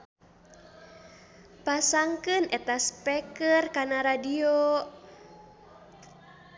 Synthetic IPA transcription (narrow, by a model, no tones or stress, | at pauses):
pasaŋkɨnɛt̪aspɛkərkanaɾadio